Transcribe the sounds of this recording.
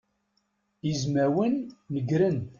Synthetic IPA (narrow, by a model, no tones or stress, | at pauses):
izmæwənːəɡɾən